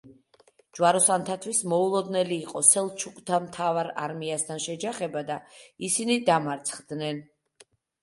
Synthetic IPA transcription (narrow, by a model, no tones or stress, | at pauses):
d͡ʒwaɾɔsant̪ʰat̪ʰwismɔulˠɔd̪nɛliːqʼɔsɛlˠt͡ʃʰukʼt̪ʰamt̪ʰavaɾa̰ɾmiast̪ʰanʃɛd͡ʒaχɛbad̪aisinid̪amaɾt̪sʰχd̪nɛn